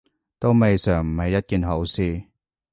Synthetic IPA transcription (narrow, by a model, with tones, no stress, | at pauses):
t̪o˥wme˨jsœː˨˩ŋm̩˨˩hɐ˨jːɐ˥t̚kiː˨˧nɦo˨˥wsiː˧